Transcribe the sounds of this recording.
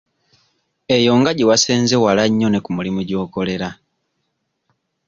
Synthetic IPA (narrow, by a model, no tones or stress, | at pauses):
e̞jo̞ŋɡaɟiwaseːnzewalaɲːo̞ne̞kumulimuɟo̞ːko̞le̞ɾa